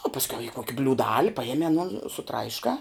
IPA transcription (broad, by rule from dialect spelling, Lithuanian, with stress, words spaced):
oː pɐsʲˈkʲɛʊ ɪ ˈkoːkʲɪ bʲlʲuːˈdɑːlʲɪ pɐˈjæːmʲɪ ɐˈnoːn sʊˈtrɐɪʃkɑː